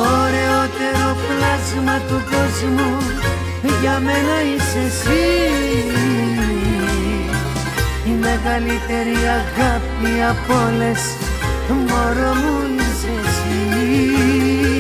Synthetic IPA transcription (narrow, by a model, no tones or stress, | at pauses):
oɾeot̪e̞ɾoplɐzmɐt̪ukozmu | ʝɐmenɐisesii | imeɣɐlit̪e̞ɾiɐɣapiɐpoles | moɾomu | isesi